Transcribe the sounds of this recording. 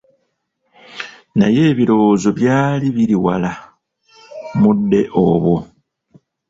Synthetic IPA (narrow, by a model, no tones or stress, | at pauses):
naje̞ːβiɾo̞ːzo̞βjaːliβiɾiwala | mudːe̞ʔo̞βwo